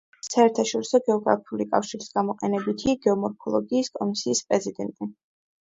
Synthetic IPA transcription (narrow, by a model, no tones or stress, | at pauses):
saɛɾt̪ʰaʃɔɾisɔɡɛɔɡɾa̰pʰiulikʼa̰fʃiɾisɡamɔqʼɛnɛbit̪ʰiaɡɛɔmɔɾkʰɔlˠɔɡiːskʼɔmisiːspʼɾɛzid̪ɛnt̪ʼi